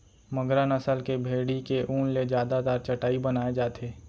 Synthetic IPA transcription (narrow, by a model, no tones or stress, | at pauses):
məɡɾənəsəlkebʱeːɽikeʔũːnled͡ʒjaːd̪at̪aːɾt͡ʃɐʈaːibənaːed͡ʒaːt̪ʰeː